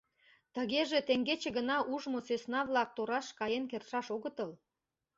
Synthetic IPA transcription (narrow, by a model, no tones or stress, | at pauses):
t̪əɣeʒet̪eŋɡet͡ɕĕɣənɑʔuʒmosøsnɑβlɑk̚t̪oɾɑʃkɑjenkerʃɑʃoɣət̪əl